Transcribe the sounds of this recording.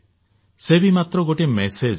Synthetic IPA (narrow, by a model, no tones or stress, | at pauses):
sebimat̪ɾɔɡoʈemesed͡ʒ